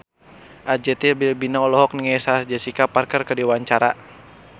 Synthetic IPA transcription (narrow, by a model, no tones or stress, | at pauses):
ʔad͡ʒɛt̪ibilbinaɔlɔɦɔk̚niŋɛsard͡ʒasikaparkərkədiwaɲt͡ʃaɾa̰